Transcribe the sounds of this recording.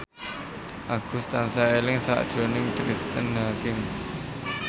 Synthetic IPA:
ʔaɡ̥ʊ̤st̪ansaelɪŋsa̰ʔd̥ʒ̥o̤nɪŋkɾist̪ənɦakɪŋ

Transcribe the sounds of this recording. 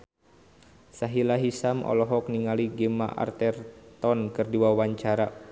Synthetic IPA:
saɦilaɦisamɔ̰lɔɦɔk̚niŋaliɡɛma̰ʔa̰rt̪ɛrt̪ɔnkɨrdiwawaɲt͡ʃaɾa

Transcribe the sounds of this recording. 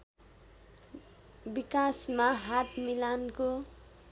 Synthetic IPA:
bikasmaɦat̪milanko

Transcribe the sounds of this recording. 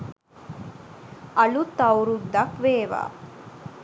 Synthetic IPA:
ɐlut̪ɐwɾud̪ɐkʋeːʋa̰

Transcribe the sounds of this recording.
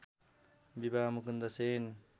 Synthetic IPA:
bibamukund̪ɐsen

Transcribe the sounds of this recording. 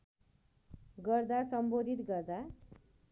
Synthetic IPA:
ɡʌrd̪asʌmbod̪ʱit̪ɡʌrd̪a

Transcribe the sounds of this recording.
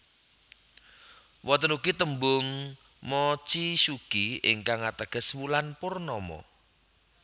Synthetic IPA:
wɔt̪ənuɡ̥it̪əmbʊŋ | mɔt͡ʃisuɡ̥iɪ̰ŋkaŋat̪əɡ̥ə̤swulanpʊrnɔmɔ̰

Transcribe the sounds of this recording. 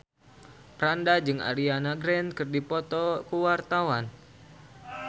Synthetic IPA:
pɾandad͡ʒɨŋa̰lianaɡɾɛnkɨrdipɔt̪ɔkuwart̪awan

